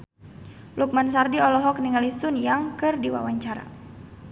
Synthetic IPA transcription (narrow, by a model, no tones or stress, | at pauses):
luk̚mans̬ardiɔlɔɦɔk̚niŋalisʊnjaŋkɨrdiwa̰waɲt͡ʃaɾa̰